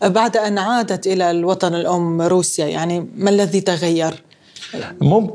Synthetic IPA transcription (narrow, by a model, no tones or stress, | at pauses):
baʕd̪ʔanʕaːd̪at̪ʔɪlalwɑt̪ˤɑnɪlʔʊmːɾuːsjaja̰ʕnimalːaðit̪aɣajːɑɾˤ | mʊm